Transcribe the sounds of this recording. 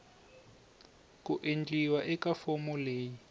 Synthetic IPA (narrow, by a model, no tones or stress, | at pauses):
kʼuʔend͡ɮʼiwaʔɛkafɔmɔleːji